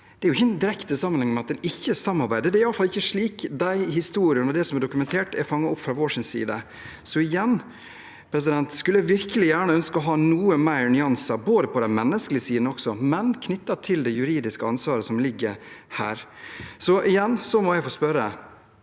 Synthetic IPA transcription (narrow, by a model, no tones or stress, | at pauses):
d̪ɛæɾʊɪçːəɛnd̪ɪɾɛkt̪əsɑmənhɪŋmɛɑt̪̚d̪ɛnɪçːəsɑmːɑɾbæɪd̪əd̪ɛæɾɪɑlːəfɑlːɪçːəʂɭiːkd̪æɪhɪst̪uːɾɪənɔd̪ɛsɔmæɖʊkʉmɛnt̪ʰeːʈɛɾfɑŋːɑʊpːfɾɑʋoːʂɪnsḭːd̪ə | sɔɪjɛnː | pʰɾɛs̬ɪd̪ɛnt̪skʉlːəæʋɪɾkəlɪjæːɳəœnskəɔɦɑːnuːəmæɪɾnʏɑnsɑboːd̪əpʰɔd̪ɛnmɛnːəsklɪəsiːd̪n̩ɔksɔmɛnkʰnʏt̪ːɑt̪ʰɪld̪ɛjʉɾiːd̪ɪskəɑnsʋɑːɾəsɔmlɪɡːəɾhæ̰ːɾsɔʔɪjɛnːsɔmɔjæɪfoːspœɾə